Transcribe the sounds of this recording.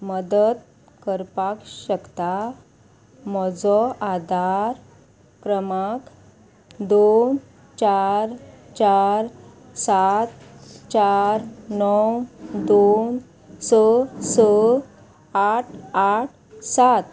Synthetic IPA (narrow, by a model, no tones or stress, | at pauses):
məd̪əd̪ | kəɾpakɕəkt̪a | mɔd͡zɔʔad̪aɾ | kɾəmak | d̪on | t͡ɕaɾt͡ɕaɾ | sat̪t͡ɕaɾnɔwd̪on | sət͡sə | aʈʰaʈ̚ʰ | sat̪